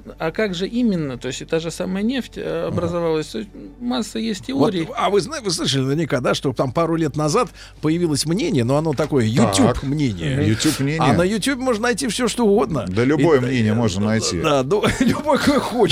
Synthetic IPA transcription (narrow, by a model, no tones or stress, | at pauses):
akaɡʐɨʔimʲɪnːət̪o̞ɪsʲtʲɪt̪aʐɨsaməjənʲeftʲɐbɾəzavalˠəsʲt̪oɪsʲtʲmasːəjesʲttʲɪvotɾʲɪːavɨznaɪvɨslˠɨʂ̬əlʲɪnəɪrnʲɪkad̪aʂt̪o̞t̪ampaɾʊlʲe̞t̪nɐzat̪ | pəjɪvʲilˠəsʲmnʲenʲɪjənoɐno̞t̪ɐko̞jəjʊt̪ʲːupmnʲenʲɪ̰jəjʊupmnʲenʲɪjnəjʊtʲubʲɪmo̞ʐnənɐjtʲifsʲo̞ʂt̪oʊɡo̞d̪nə̰əlʲʊbo̞jəmmnʲenʲɪjəmo̞ʐnənɐjtʲḭd̪anolʲʊbojəkojəxo